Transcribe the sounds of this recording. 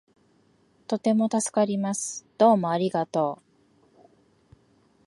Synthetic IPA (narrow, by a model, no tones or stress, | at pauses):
t̪o̞t̪e̞mo̞t̪asɨ̥kaɾʲimasɨ̥d̪̥o̞ːmo̞aɾʲiɡat̪o̞ː